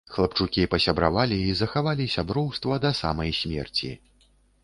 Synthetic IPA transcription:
xlˠɐp̚t͡ʂukʲipɐsʲabɾa̰valʲiːzɐxavalʲisʲabɾɔwst̪vɐd̪ɐsa̰mɐjsʲmʲɛ̰rt͡sʲḭ

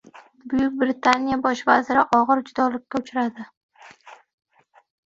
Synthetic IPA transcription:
bʊjʊk̚ʲbɾɪt̪ʰanijabɒʃvazɪɾɪʔɒʁɨɾd͡ʒʊd̪ɒlɪkʲːaʊt͡ʃʰɾad̪ɪ

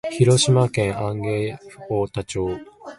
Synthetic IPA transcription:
çiɾo̞ɕimakẽ̞ɰʔãŋɡe̞ːɸɯoːt̪at͡ɕoː

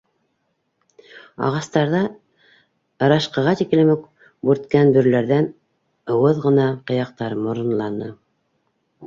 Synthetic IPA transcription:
ɑ̰ʁɑst̪ɑɾðɑ | ɤɾɑʃqɑ̆ʁɑt̪iklɘmɘk | buɾt̪kænbɵ̆ɾlæɾðæn | ɤ̆wɤðʁɤ̆nɑqɤ̆jɑq̚t̪ɑɾmŏɾɤ̆nlˠɑnɤ̰

